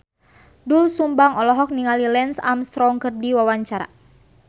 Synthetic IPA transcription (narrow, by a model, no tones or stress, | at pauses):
dulsumbaŋɔlɔɦɔk̚niŋalilɛnsa̰mst̪ɾɔŋkɨrdiwawaɲt͡ʃaɾa̰